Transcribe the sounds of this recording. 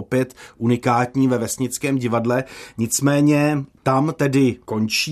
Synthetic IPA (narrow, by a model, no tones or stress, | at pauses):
opjɛt̪ʔunɪkaːt̪ɲiːvɛvɛsɲɪt͡skɛːmɟɪvadlɛɲɪt͡smɛːɲɛt̪amt̪ɛdɪko̞nt͡ʃiː